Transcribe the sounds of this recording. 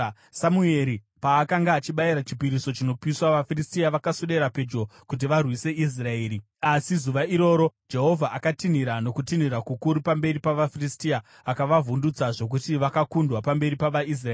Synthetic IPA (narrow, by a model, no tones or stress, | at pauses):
samue̞ɾi | paːkaŋɡaːt͡ʃiɓaiɾat͡ʃi̥piɾiso̞t͡ʃino̞piswaʋafiristiaʋakasuɗe̞ɾape̞d͡ʒo̞kut̬iʋarwise̞is̬rae̞ːɾi | asizuʋaiɾo̞ːɾo̞d͡ʒe̞ɦo̞vʱaʔakatiniɾano̞kutin̤iɾakukuɾupambe̞ɾipaʋafiristiaː | kaʋavundut͡saʐo̞k̬utiʋakakundwapambe̞ɾipaʋais̬raeː